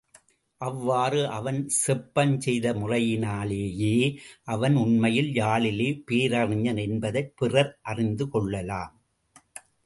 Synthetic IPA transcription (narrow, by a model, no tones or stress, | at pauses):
ʔɐʋːaːrɯʔɐʋɐnsɛpːɐnt͡ʃɛjðɐmʊrɐjɪnaːleːjeːʔɐʋɐnʊnmɐjɪljaːɭɪleːpiːɾɐrɪɲɐnɛnbɐðɐɪpɪrɐɾʔɐrɪnd̪ɯkɔɭːɐlaːm